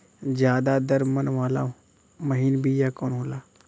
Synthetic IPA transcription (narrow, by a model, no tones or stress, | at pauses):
d͡ʒjaːd̪ad̪əɾmənʋaːlã̰ː | məɦiːnbʱijakoːnɦoːlaː